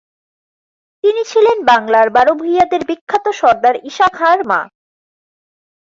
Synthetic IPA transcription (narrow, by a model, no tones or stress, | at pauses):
t̪init͡ɕʰilenbaŋlaɾbaɾobʱujad̪eɾbikʰːat̪oʃɔɾd̪aɾiʃakʰaɾma̰